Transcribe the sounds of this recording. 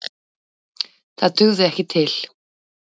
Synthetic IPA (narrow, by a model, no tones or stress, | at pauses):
θaðt̪ʏɣðɪɛhcɪt̪ʰɪl̥